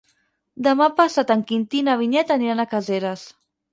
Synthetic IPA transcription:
d̪əmapasat̪aŋkint̪inaβ̞iɲɛt̪aniɾanakazeɾas

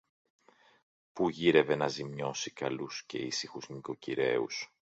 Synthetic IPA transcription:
puʝiɾe̞ve̞nɐzimɲo̞sikɐlusce̞isixuzniko̞ciɾe̞̰ṵs

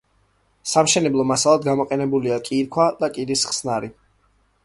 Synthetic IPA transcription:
samʃɛnɛblˠɔmasalˠad̪ɡamɔqʼɛnɛbuliakʼiɾkʰwad̪akʼid̪isχsnaɾi

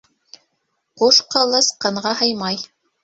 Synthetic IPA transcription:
qusqɑlˠɤsqɑ̆ɴʁɑɦɤjmɑj

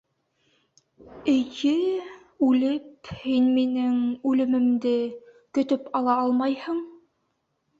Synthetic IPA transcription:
ɘ̆jɘ | ʉlɘphinminɘŋʉlɘ̆mɘ̆md̪ɘ | kɵ̆t̪ɵpɑlˠɑɑlˠmɑjhɤɴ

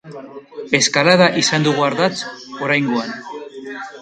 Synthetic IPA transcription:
e̞skalaðaʔisand̪uɣuaɾðat͡so̞ɾajŋɡo̞an

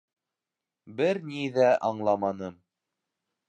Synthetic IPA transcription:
bɘɾniðæʔɑɴlˠɑmɑnɤm

